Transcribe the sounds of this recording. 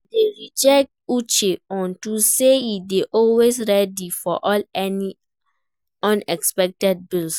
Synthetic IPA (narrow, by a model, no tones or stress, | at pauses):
deɹid͡ʒɛk̚tut͡ʃeɔ̃ntuseideʔɔlwesɹɛdifɔʔɔlɛni | ɔ̃nɛkspɛk̚tɛd̚bils